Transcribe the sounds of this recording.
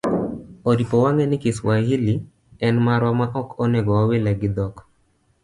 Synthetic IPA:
odipɔwaŋɛnɪkɪswaɦili | ɛnmaɾwamaʔɔkɔnɛɡɔwawelaɡɪd̪ɔk

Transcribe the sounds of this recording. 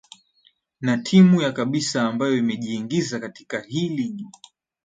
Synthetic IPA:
natʰimujakaɓisaːmbajɔimɛʄiːŋɡizakati̥kahiːliɲi

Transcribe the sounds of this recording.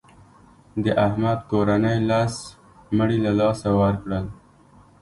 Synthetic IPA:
d̪əʔahmad̪̚koɾanəjlas | məɽilalɑsawaɾkɽəl

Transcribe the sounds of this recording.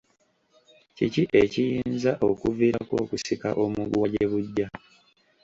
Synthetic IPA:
ciciʔe̞cijiːnzaʔo̞kuviːɾakwoːkusika̰ʔo̞muɡwaɟeβuɟːa

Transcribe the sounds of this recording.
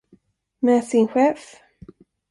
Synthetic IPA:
mɛsɪnɧɛːf

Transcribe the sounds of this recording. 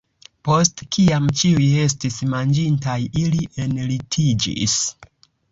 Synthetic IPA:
po̞stkiamt͡ʃiuje̞s̬tismand͡ʒintajiliʔe̞nlitʰid͡ʒḭs

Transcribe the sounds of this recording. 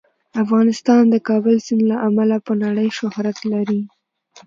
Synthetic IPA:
afɣɑnɪst̪ɑnd̪əkɑbəlsɪnlaʔamalapənaɽəjʃʊhɾat̪laɾi

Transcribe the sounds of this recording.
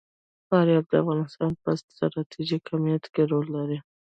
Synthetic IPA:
fɑɾjɑb̚d̪əafɣɑnɪst̪ɑnpəst̪ɾɑt̪ʰiʒikʰamijat̪keɾolːaɾi

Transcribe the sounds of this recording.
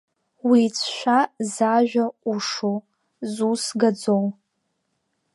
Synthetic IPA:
wiːt͡sʰʃʷᶣazaʒᶣauʂo | zusɡad͡zow

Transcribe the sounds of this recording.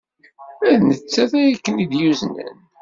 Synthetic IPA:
æðnət͡sːæθæjækːənid̪juznə̰n

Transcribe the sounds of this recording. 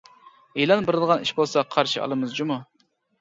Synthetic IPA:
elˠɑnbɪɾɨd̪əʁɑniʃbolˠsɑqʰɑɾʃiɑ̰lˠɨmɨzd͡ʒumu

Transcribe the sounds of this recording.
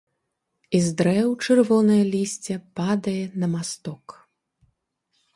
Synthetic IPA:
izd̪ɾɛwt͡ʂɨrvɔnɐjɐlʲisʲt͡sʲɛpad̪ɐjɛnɐmast̪ɔk

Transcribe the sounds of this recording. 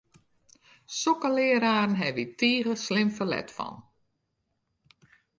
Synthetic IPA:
sokəlɪəɾaːrən̩ɦɛʋitʰiːɣəslɪmfəlɛ̰tfɔ̰n

